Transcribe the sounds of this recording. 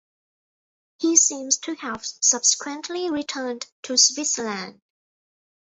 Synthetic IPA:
hisĩmz̥tʰɨhəv̥sʌb̥sɪ̥kʰwə̃nʔliɹitʰɜ˞ntʰɨswɪtsəlæ̃nd

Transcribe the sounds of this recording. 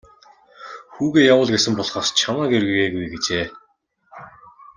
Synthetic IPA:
xuːɣeːjawʊːɮɡesɘ̆mpɔɮχɔːst͡ɕʰamaːɡerɣujeːɣujɡet͡ɕeː

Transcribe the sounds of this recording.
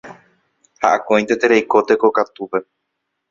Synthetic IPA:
haʔakõj̪̃t̪et̪eɾejko̞t̪e̞kokat̪upe̞

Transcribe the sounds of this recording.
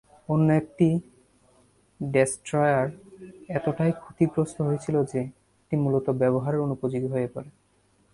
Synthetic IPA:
onːoek̚ʈi | ɖesʈɾɔjaɾɛt̪oʈajkʰut̪iɡɾost̪oɦojet͡ɕʰilod͡ʑe | ek̚ʈimulot̪obɛβoɦaɾeɾonupod͡ʑiɡ̪ɦojepɔɾe

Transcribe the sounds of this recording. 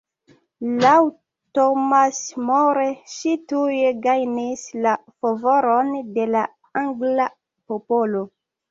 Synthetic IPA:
law | tomasmoɾeʃitujeɡajnislafavoɾonde̞la | aŋɡla | popolo

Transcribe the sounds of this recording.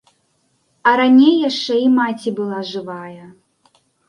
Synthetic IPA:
ɐɾanʲejːaʂt͡ʂɛimat͡sʲibɨlˠaʐɨvajɐ

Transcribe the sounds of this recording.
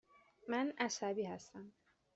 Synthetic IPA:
mænæʃæbiːhæst̪æm

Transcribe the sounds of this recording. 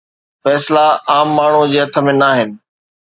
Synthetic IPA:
fɛːslaaːmːaːɳ̤ud͡ʑeːɦɐt̪ʰə̆mẽnaːɦɪnɪ̆

